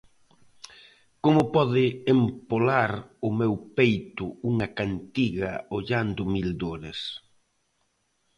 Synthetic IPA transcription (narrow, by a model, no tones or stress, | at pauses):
komʊpɔðɪempolaɾʊmewpejt̪ʊuŋɐkant̪iɣɐ̰oʎand̪ʊmild̪oɾɪs